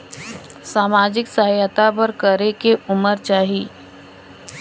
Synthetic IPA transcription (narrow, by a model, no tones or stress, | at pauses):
saːmaːd͡ʒɪksəɦjət̪apəɾkəɾekeʊməɾt͡ʃaːɦiː